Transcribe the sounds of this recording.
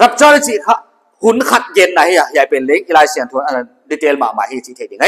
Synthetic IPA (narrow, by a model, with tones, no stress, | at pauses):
ɾa˧p̚t͡ɕaː˧˨da˧sʰi˧˩kʰa˧ʔ | hu˧˦nkʰa˧t̪̚ɡe˧˦nːa˨˦ha˧ja˨˩˧jaː˨˩jpe˨˩nle˧˦ŋ̚ʔi˧laː˧jsi˨ə˦ŋt̪ʰu˧˦nʔna˧˩ | diː˧t̪eː˧lmaː˨˩maː˨jha˧˨˧sʰi˧t̪ʰe˨˩ja˨ŋa˧˦